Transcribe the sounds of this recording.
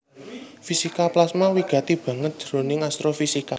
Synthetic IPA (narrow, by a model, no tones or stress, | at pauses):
fisikaplasmawiɡ̥a̤t̪ib̥a̤ŋət̪̚d̥ʒ̥ɾo̤nɪŋast̪ɾofisika